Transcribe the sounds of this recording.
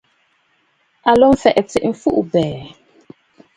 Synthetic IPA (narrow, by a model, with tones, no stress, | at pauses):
a˨lɔ˦m˦fɛ˨ʔt͡si˨ʔm̩˨fu˦ʔbɛː˨